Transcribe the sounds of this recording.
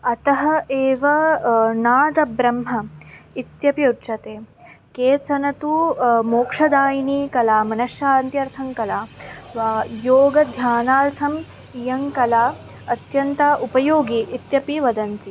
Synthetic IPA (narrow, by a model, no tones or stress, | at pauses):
ɐt̪ɐɦɐeːʋɐnaːd̪ɐbɾɐmɦɐit̪jɐpjɐtːt͡ʃɐt̪eː | keːt͡ʃɐnɐt̪umoːkʂɐd̪aːjiniːkɐlaːmɐnɐʃjaːnt̪jɐɾt̪ʰɐŋkɐlaːʋaːjoːɡɐd̪ʱjaːnaːɾt̪ʰɐm | jɐŋkɐlaː | ɐt̪jɐnt̪ɐʔupɐjoːɡiʔːt̪jɐpiʋɐd̪ɐnt̪i